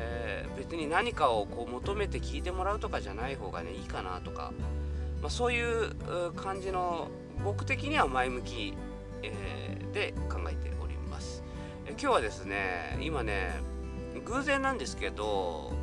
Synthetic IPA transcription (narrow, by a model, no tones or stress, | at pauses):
be̞t͡sɨɲ̟inaɲ̟ikao̞ko̞ːmo̞t̪o̞me̞t̪e̞kʲiːt̪e̞mo̞ɾaɯ̟t̪o̞kaʑanaiɦo̞ːɡa̰ne̞̰iːkana̰t̪o̞ka̰maso̞ːjɯ̟ːɯkʰãɲ̟d͡ʑino̞ | bo̞kɯ̟̥t̪e̞kʲiɲ̟iβamaimɯ̟kʲi | ed̪e̞kãŋɡa̰et̪e̞̰ʔo̞̰ɾʲḭma̰sɨ̥ | ekʲoːβad̪e̞sɨne̞̰ḭmane̞̰ | ɡɯ̟ːzẽ̞nːãnd̪e̞sɨ̥ke̞d̪o̞